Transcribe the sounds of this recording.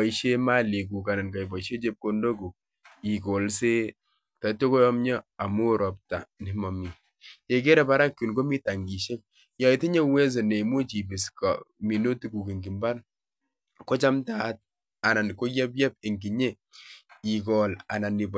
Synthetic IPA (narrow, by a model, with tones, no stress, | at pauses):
i˦ʃe˦ma˦li˨k̬u˨ka˨na˨nka˨bɔ˨iʃe˦t͡ʃe˦p̚ko˦ndo˦ku˨ | i˨ko˨lse˦ | ta˨to˦ko˦jɔ˦mɲɔ˦a˨mo˦ɾɔ˨p̚ta˨nɪ˨mɔ˨mi˨ | je˨k̬e˦ɾɛ˨pa˦ɾa˦kːu˨nko˦mi˦ta˨ŋɡi˨ʃe˦k̚ | ja˨i˨ti˦ɲe˦we˦s̬e˨ne˨mo˦t͡ʃi˨bi˨skɔ̰˨mi˨no˦ti˦ku˨ke˨ŋɡi˨mba˦n | ko˦t͡ʃa˦mta˦t̚ | a˨na˨n˨ko˦jɛ˦p̬jɛ˦p̚e˨ŋɡi˨ɲe˦ | i˨kɔ˨la̰˨na˨ni˨p